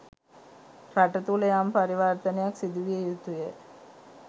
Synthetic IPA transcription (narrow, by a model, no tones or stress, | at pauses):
ɾɐʈɐt̪ulɐjaːmpɐɾiʋaːɾt̪ɐnejaksid̪iʋiejut̪uje